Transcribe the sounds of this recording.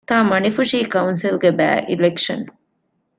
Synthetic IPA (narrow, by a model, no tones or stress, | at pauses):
t̪aːmɐnifuʂiːkɐunsilɡebæ̰ːʔilekʂɐ̰n